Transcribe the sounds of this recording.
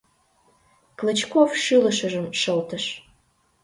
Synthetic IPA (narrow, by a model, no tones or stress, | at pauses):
klət͡ɕkofʃɨlə̆ʃəʒəmʃəlt̪əʃ